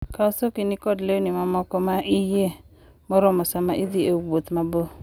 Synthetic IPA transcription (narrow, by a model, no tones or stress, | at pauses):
kaosokinikɔdleonimamɔkɔmaʔɪje | mɔɾɔmɔsamaʔid̪iewot̪mabo